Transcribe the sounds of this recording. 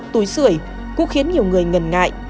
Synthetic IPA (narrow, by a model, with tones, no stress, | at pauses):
t̪u˨˦jsɨ̰˧˩əj | kṵ˧˥xi˨˦ənɲi˨˩əwŋɨ˨˩əjŋə˨˩nŋa̰ː˧˨jʔ